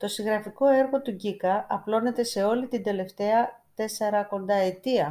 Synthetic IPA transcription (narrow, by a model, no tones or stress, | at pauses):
t̪o̞siŋɣɾɐfiko̞e̞ɾɣo̞t̪uɟikɐʔɐplo̞ne̞t̪e̞se̞o̞lit̪ind̪e̞le̞ft̪e̞ɐt̪e̞se̞ɾɐko̞nd̪ɐe̞t̪iɐ